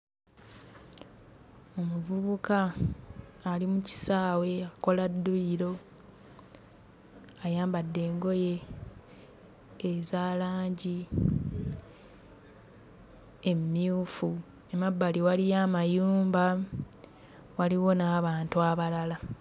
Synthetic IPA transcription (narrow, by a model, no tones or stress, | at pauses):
o̞muvuβukaː | limuci̥saːwe̞ako̞ladːuiɾo̞ | ajaːmbadːe̞ːŋɡo̞je̞ | zaːlaːɲɟi | emːiuːfu | e̞mabːaliwalijamajuːmba | waliwo̞naːβaːntuaβalala